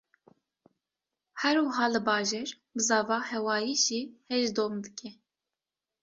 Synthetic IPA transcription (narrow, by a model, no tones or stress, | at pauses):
hɛɾwɨɦɑːlɨbɑːʒeɾ | bɨzɑːvɑːhɛwɑːjiːʒiːhɛʒd̪oːmd̪ɨkʲɛ